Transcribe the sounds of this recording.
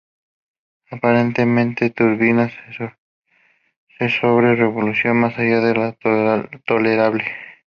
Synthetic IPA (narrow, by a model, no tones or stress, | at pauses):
apaɾent̪emẽnt̪et̪uɾβinas | sesoβɾereβolusjonmasaʝaðela | t̪oleɾaβle